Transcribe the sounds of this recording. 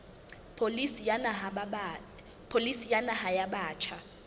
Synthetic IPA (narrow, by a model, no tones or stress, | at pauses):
pʰolisjanaɦa | pʰolisijanahajaɓaːt͡ʃʰa